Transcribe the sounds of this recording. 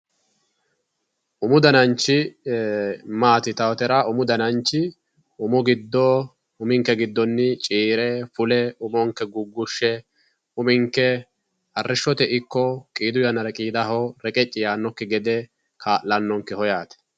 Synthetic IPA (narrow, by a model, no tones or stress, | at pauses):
ʔʊmʊd̪ɐnɐnt͡ʃːɪ | maːt̪ɪt̪ɐwɔt̪ɛɾɐʔʊmʊd̪ɐnɐnt͡ʃːɪ | ʊmʊɡɪd̪ːɔ | ʊmɪŋkːɛɡɪd̪ːɔnːɪt͡ʃʼiːɾɛfʊlɛʊmɔŋkːɛɡʊɡːʊʃːɛ | ʊmɪŋkːɛ | ɐrːɪʃːɔt̪ɛʔɪkːɔkʼiːd̪ʊjɐnɐɾɛkʼiːd̪ɐɦɔɾɛkʼɛt͡ʃʼːɪjaːnːɔkːɪɡɛd̪ɛ | kʰaːʔlːɐnːɔŋkːɛhɔjaːt̪ɛ̥